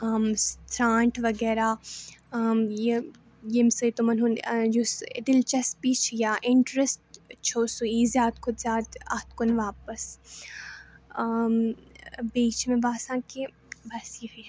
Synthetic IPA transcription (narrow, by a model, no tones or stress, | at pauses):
ɐmst̪ʰɾãːɳʈʋɐɡɛːɾa | je | jemsɐit̪omɐnunjusd̪ɪlt͡ʃɐspit͡ʃʰjaːʔɪɳʈɾesʈt͡ʃʰoːsuizjaːd̪kʰʊd̪zʲjaːd̪ɐt̪kʊnʋaːpəs | m | biːt͡ʃmẽbaːsãːke | bɐsiɦi